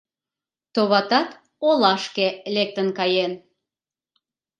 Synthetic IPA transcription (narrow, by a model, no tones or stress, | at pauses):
t̪oβɑt̪ɑt̪ | olɑʃkelek̚t̪ənkɑjen